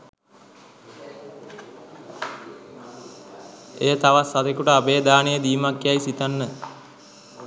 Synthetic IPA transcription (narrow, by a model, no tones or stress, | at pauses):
ejət̪aʋasːat̪ekuʈəabeːd̪aːnijəd̪iːmakjajsit̪anːə